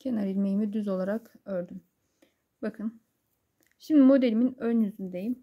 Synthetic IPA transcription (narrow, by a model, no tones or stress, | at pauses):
cʰenaɾiɾʲmejimid̪yzo̞lˠaɾakøɾd̪ym | bakʰɯn | ʃimd̪imo̞d̪elʲiminønyzynd̪ejim